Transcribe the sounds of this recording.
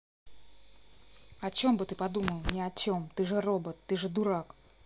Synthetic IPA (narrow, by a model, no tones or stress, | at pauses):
ɐt͡ɕo̞mbɨt̪ɨpɐd̪uməlˠnʲɪɐt͡ɕomt̪ɨʐɨrobət̪ːɨʐɨd̪uɾak